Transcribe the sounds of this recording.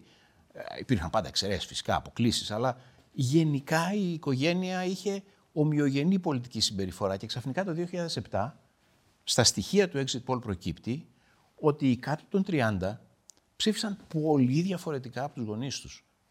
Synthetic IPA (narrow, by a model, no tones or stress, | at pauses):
ḭpiɾxɐmpɐnd̪ɐekse̞ɾesfi̥si̥kɐ̰ːpo̞klisi̥sɐlɐ | ʝe̞nikɐiːko̞ʝe̞niɐiçe̞ | o̞mio̞ʝe̞nipo̞lit̪icisimbe̞ɾifo̞ɾɐce̞ksɐfnikɐt̪o̞ðio̞çiʎɐðe̞se̞pt̪ɐ | st̪ɐst̪içiɐt̪ue̞kzit̪̚bo̞lpɾo̞cipt̪i | o̞t̪ikɐt̪ot̪o̞nt̪ɾiɐnd̪ɐ | psifisɐnpo̞liðʝɐfo̞ɾe̞t̪ikɐːpo̞t̪uzɣo̞nist̪u̥s